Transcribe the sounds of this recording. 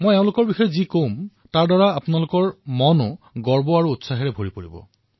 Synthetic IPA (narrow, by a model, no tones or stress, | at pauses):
mojɛʊ̃lʊkɔɹbixɔjɔzikom | taɹdɔɹaapʊnalʊkɔɹmɔnʊɡɔɹbɔaɹuːtsaɦɛɹɛbʱoɹipoɹibɔ̰